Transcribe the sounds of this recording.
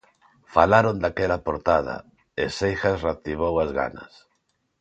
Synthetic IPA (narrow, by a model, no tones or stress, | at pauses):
falaɾond̪akɛlapoɾt̪að̞ɐ̰ | esejxasrat̪iβ̞owazɣa̰nɐ̰s